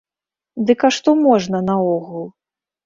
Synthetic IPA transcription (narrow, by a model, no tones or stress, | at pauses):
d̪ɨkaʂt̪ɔmɔʐnɐnɐɔɣulˠ